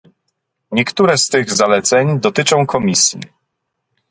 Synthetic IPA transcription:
ɲɛkt̪uɾɛst̪ɘɣzalɛt̪sɛɲd̪ɔt̪ɘt͡ʂɔ̃w̃kʰɔmʲisʲjḭ

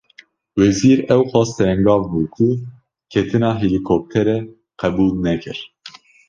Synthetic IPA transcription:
wɛziːɾɛwxʷɑːst̪ʰɛɛŋɡɑːvbuːkʰu | kʰɛt̪ʰɨnɑːɦilikʰop̚t̪ʰɛɾɛ | qʰɛbuːlnɛkʰɨɾ

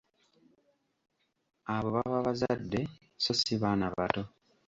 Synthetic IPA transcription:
aβo̞βaβaβazadːe̞ | so̞siβanaβato̞

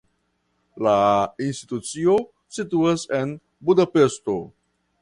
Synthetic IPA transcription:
lainst̪i̥t̪ut͡sio̞ | situasen | budapesto̞

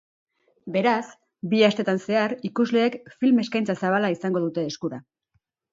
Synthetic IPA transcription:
be̞ɾas | biast̪e̞t̪anse̞aɾikuzle̞ːkfilme̞skajnt͡sasaβalaisaŋɡo̞ðut̪e̞ːskuɾa

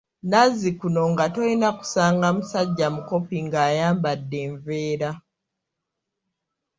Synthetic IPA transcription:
nazikuno̞ŋɡatoinaku̥saːŋɡamusaɟːamuko̞piŋɡaːjaːmbadːe̞ːɱveːɾa

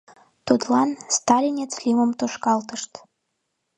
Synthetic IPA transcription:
t̪ut̪lɑnst̪ɑlʲinʲet͡slʲiməmt̪oʃkɑlt̪əʃt̪

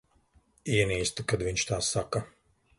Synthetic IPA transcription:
iɛniːst̪ukad̪viɲt͡ʃt̪aːsːaka

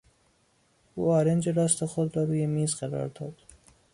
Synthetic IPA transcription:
ʔuːɒːɾend͡ʒeɾɒːst̪ʰexod̪ɾɒːɾuːjemiːzɢæɾɒ̰ːɾd̪ɒːd̪̥

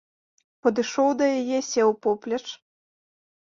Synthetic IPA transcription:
pɐd̪ɨʂɔwd̪ɐjajɛsʲɛwpɔplʲɐt͡ʂ

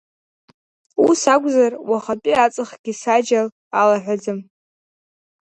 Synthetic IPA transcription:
usakʷʼzarwaχat͡pʼiat͡sʼɨχɡ̥ʲisad͡ʒal | alaħʷᶣad͡zɨm

